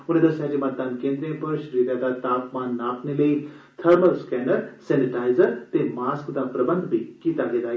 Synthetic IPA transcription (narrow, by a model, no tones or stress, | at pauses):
uned̪əsjad͡ʑemɐt̪̚d̪aːnkẽːnd̪ɾẽpəɾʃəɾiːɾjad̪at̪aːpmanːaːpnilei | t̪ʰəɾməɾskɛnəɾseniʈaːjzəɾt̪emaskd̪apɾɐbənd̪ʱbʱikiːt̪aɡed̪aː